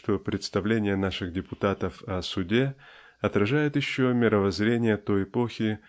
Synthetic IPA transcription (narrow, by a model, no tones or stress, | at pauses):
t̪o̞pɾʲɪt̪st̪ɐvlʲenʲɪjənaʂɨɣdʲɪpʊt̪at̪əfɐsʊdʲe | ɐt̪ɾɐʐajɪt̪jɪɕːomʲɪɾəvɐzɾʲenʲɪjət̪o̞jɪpo̞xʲɪ